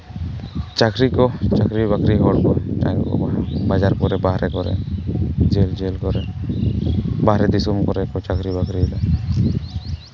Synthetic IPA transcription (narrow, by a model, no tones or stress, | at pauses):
t͡ʃakɾikɔt͡ʃakɾibakɾiɦɔɽkɔa̰kɔ̰abad͡ʒaɾkɔɾɛbaɦɾɛkɔɾɛ̰ | d͡ʒeld͡ʒelkɔɾɛ | baɦɾɛd̪isumkɔɾɛkɔt͡ʃakɾibakɾila